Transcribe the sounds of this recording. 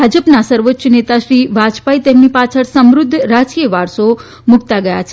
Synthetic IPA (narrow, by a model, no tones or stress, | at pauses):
bʱad͡ʒəpnasəɾʋətːʃnet̪aʃɾiʋad͡ʒpait̪emnipat͡ʃʰəɭsəmɾʊd̪ʱːɾat͡ʃkiʋaɾʃo | mʊkt̪aɡəja̰t͡ʃʰ